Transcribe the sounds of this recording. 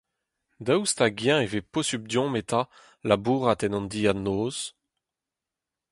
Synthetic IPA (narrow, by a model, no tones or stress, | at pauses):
d̪awst̪aɡjɛ̃eveposyb̚d̪jɔ̃met̪a | labuːʁat̪ɛnɑ̃nd̪ianoːz̥